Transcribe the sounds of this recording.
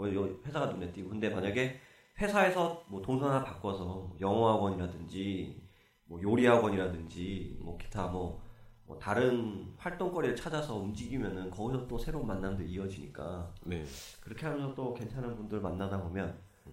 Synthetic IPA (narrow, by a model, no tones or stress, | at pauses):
ʌjʌɸwe̞sʰaɡanunet͈iɡokɯnde̞maɲaɡe̞ | ɸwe̞sʰae̞sʰʌmwʌtoŋsʰʌnapak͈ʌsʰʌmʌjʌŋʌɦaɡwʌɲiɾadɯnd͡ʑi | mwʌjoɾiɦaɡwʌɲiɾadɯnd͡ʑimwʌke̥tʰamwʌmʌ̰taɾɯnɸwaɭt͈oŋk͈ʌɾiɯɭt͡ɕʰad͡ʑasʰʌund͡ʑiɡimjʌnɯnkʌɡisʰʌt͈osʰe̞ɾomanːandoiʌd͡ʑiɲḭk͈a̰nekɯɾʌkʰeɦamjʌnsʰʌt͈oke̞nt͡ɕʰanɦanbundɯɾɯɭmanːadabomjʌn